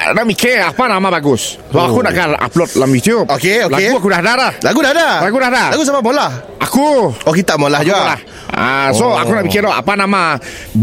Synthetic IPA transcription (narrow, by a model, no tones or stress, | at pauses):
naʔmikeapanamabaɡʊs | baakunaʔkaa̰plɔt̚lamjut̪iupokeolaɡuakudahdalahlaɡudadalaɡudadalaɡus̬amamolah | akuoket̪aʔmolahd͡ʒuaalah | a̰soa̰kunaʔmikɪlɔa̰panama